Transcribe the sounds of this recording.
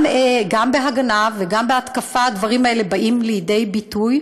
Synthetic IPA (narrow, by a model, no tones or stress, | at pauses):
eɡambeɦaɡanaveɡambeat̪kafaad̪vaʁimaele̞baʔimlejede̞jbituj